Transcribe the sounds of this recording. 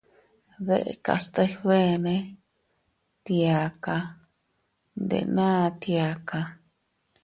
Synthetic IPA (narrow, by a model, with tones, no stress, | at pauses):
ðḛ˦ʔḛ˧ka̰˧˨st̪a˧iβe˦nẽ˦ | t̪i˧a˨ka˧ | nd̪ḛ˧nã˦˧t̪ja˧ka˧